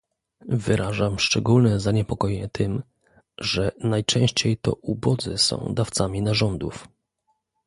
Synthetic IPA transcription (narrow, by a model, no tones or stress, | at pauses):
vɘɾʔaʐamʂt͡ʂɛɡulnɛzaɲɛpɔkɔjɛɲɛt̪ʰɘm | ʐɛnajt͡ʂɛ̃w̃ɕt͡ɕejt̪ɔ̰ʔubɔd̪zɘsɔ̰̃w̃d̪aft̪samʲinaʐɔnd̪uf